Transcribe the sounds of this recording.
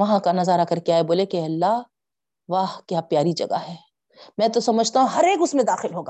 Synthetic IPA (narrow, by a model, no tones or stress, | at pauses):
ɐɦãkanɐzaːɾakɐɾkeaːeboːlekeɐlːaɦ | ʋaːhkjaːpjaːɾid͡ʒɐ̰ɡa̰ɦɛː | mɛ̃ːt̪osɐməd͡ʒʱt̪aɦũɦɐɾeːkʊsmẽd̪aːxɪlɦoːɡaː